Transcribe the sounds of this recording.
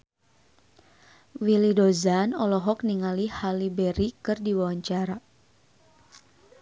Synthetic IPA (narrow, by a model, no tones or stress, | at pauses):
wilidozanɔlɔɦɔk̚niŋalihalibɛɾikɨrdiwawaɲt͡ʃaɾa